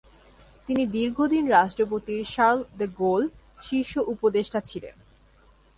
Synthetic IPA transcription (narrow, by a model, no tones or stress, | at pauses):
t̪inid̪iɾɡʱod̪inɾaʃʈɾop̬ot̪iɾʃaɾld̪əɡol | ʃiʃoʔupod̪eʃʈat͡ɕʰilḛn